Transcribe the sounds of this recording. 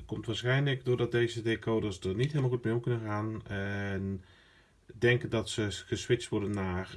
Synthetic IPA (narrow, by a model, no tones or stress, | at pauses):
kɔmtʋaːɹsxɛjnləkdʊrdɔt̚deːzədekʰoːdəsdərnitɦɪːlməlˠɣut̚mejomkɵnənxaːnɛn | dɛŋkəndɔtsəɣəsʋɪt͡stʋʊrdənːaːr